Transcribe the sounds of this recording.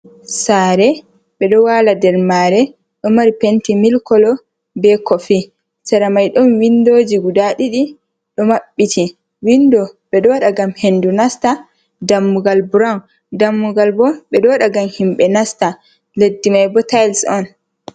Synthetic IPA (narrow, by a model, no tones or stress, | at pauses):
saːɾɛ | ɓɛɗɔwaladɛɾmaɾɛ | ɗɔmaɾipentimilkɔlɔ | bɛkɔfi | tɛɾamajɗɔnwindoːd͡ʒiɡudaɗiɗi | ɗɔmaɓːitʰi | windɔɓɛɗɔwaɗaɡamhendunasta | damːuɡalbuɾawn | damːuɡalbɔɓɛɗɔwɗaɡamhimɓɛnasta | ledːimajbɔtajlsɔn